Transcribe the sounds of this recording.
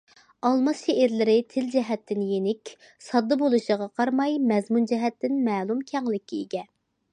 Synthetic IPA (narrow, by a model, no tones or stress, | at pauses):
ɑlˠmɑsʃeʔɪɾlɪɾɪt̪ʰɪld͡ʒɛɦɛt̪ʰːɪnjenɪkʲ | sɑd̪ːɑbolˠuʃəʁɑqʰɑɾmɑjmɛzmund͡ʒɛɦɛt̪ːɪnmɛːlˠumkʲʰɛŋlɪkʲːiiɡʲɛ